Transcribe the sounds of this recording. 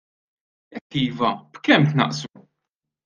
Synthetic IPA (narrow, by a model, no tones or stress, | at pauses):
ɛkːiːvɐb̥kɛmt̪nɐ̰ʔsu